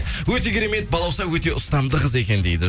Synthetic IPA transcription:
wɵt̪e̞kʲeɾemet̪̚bɑlˠɑwsɑwɵt̪e̞ʔʊst̪ɑmd̪əʁəze̞kʲe̞nd̪e̞jd̪ɪ

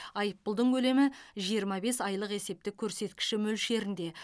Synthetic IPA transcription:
ɑjəpːəlˠd̪əɴkʲʰɵle̞mɪʒijəɾmɑbe̞sɑjlˠəqe̞se̞p̚t̪ɪkʲʰɵɾse̞t̪kʲɪ̥ʃɪmɵlʃe̞ɾɪnd̪e̞

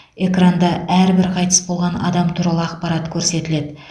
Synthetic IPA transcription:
e̞krand̪ɑæɾbɪɾqʰɑjt̪ə̥sbo̞lˠʁɑnɑ̰d̪ɑmt̪ʰuɾɑlˠəɑqpɑɾɑt̪kʲʰɵɾse̞t̪ɪle̞d̪ɪ

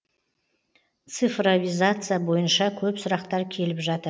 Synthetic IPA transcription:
t̪sɨfrovʲizat̪sɨjabo̞jənʃɑkʲʰɵpsʊɾɑqt̪ɑɾkʲʰe̞lɪpʒɑt̪əɾ

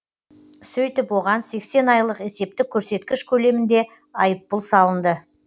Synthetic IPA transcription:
sɵjt̪ɪpwo̞ʁɑnse̞kse̞nɑjlˠəqe̞se̞p̚t̪ɪkʲʰːɵɾse̞t̪̚kʲɪʃkʲʰɵle̞mɪnd̪e̞ | ɑjəpːʊlˠsɑlˠənd̪ə

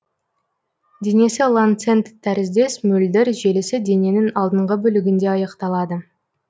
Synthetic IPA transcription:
d̪ene̞sɪlˠant̪se̞nt̪t̪ʰːæɾɪzd̪e̞smʏld̪ɪɾʒe̞lɪsɪd̪e̞ne̞nɪŋɑlˠd̪əɴʁəbɵlɪɡʲɪnd̪e̞ɑjəqt̪ɑlˠɑd̪ə

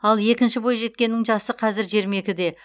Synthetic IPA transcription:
ɑlˠe̞kʲɪnʃɪbo̞jʒe̞t̪̚kʲe̞nːɪŋʒɑsəqʰɑzɪɾʒe̞ɾme̞kʲɪd̪e̞

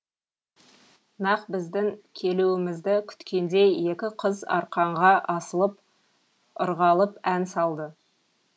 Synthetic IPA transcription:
nɑqbɪzd̪ɪŋkʲʰe̞luɪmɪzd̪ɪkʲʰʏ̥t̪kʲe̞nd̪e̞je̞kʲɪqʰəzɑ̰ɾqɑɴʁɑʔɑsəlˠəp̚ | ʊ̰ɾʁɑlˠəpænsɑlˠd̪ə

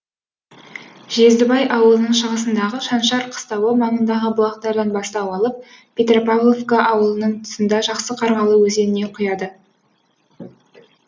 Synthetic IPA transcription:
ʒe̞zd̪ɪbɑjʔɑwəlˠənəɴʃəʁəsənd̪ɑʁəʃɑnʃɑɾqʰə̥st̪ɑwəmɑɴənd̪ɑʁəbʊlˠɑq̚t̪ɑɾd̪ɑnbɑst̪ɑwɑlˠəp̚ | pʲet̪ropavlˠovkaʔɑwəlˠənəɴt̪ʰʊ̥sənd̪ɑʒɑqsəqʰɑɾʁɑlˠəwɵze̞nɪne̞qʰʊjɑd̪ə

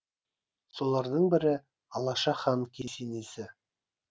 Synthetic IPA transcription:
so̞lˠɑɾd̪əɴbɪ̆ɾɪ | ɑlˠɑʃɑχɑnkʲesenesɪ

